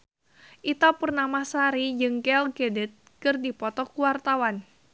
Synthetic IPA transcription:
ʔit̪ɔpurnamasaɾid͡ʒɨŋkɛlɡedɛt̪̚ | kɨrdipɔt̪ɔkuwart̪awan

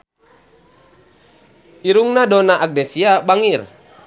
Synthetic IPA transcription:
iɾuŋnadɔnaʔak̚dɛsiabaŋir

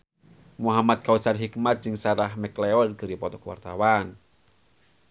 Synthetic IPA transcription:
muɦamat̪̚kausanɦikmat̪̚d͡ʒɨŋsaɾahmɛklɛɔlɡɨɾipɔt̪ɔkwa̰rt̪awan

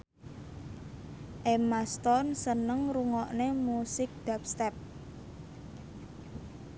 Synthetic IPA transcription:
ʔemast̪ɔnsənəŋɾuŋɔʔnemusɪk̚d̥ap̚st̪ɛp̚

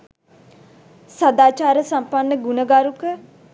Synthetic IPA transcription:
sad̪aːt͡ʃaːɾəsampanːəɡunəɡaɾukə

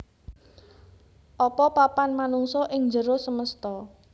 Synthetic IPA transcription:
ʔɔpɔpapanmanuŋsɔʔɪŋd͡ʒəɾosəməst̪ɔ

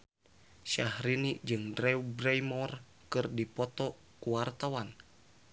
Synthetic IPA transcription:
ʃahɾinid͡ʒɨŋdrɛubɾɛjmɔr | kɨrdipɔt̪ɔ | kuwart̪awan

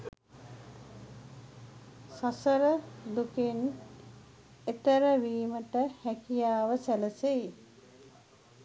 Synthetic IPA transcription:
sasəɾəd̪uken | et̪əɾəʋiːməʈəhækijaːʋəsæləsej

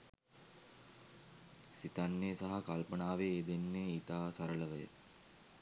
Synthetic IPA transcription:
sit̪anːeːsaɦakalpənaːʋeːd̪enːeːit̪aːsaɾələʋəjə̰

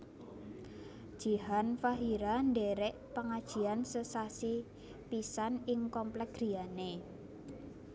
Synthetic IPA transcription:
d̥ʒ̥i̤ɦanfaɦiɾanɖeɾɛʔpaŋad̥ʒ̥i̤ansəsasi | pisanɪŋkɔmplɛkɡɡ̥ɾi̤ane

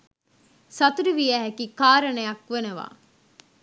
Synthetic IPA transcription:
sɐt̪uɾiʋijæɦækikaːɾənəjɐkʋenəʋa̰ː

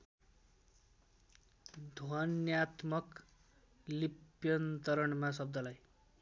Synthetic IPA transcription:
d̪ʱwʌnjat̪mʌk | lipjʌnt̪ʌɾʌɳmasʌb̚d̪ʌlaj

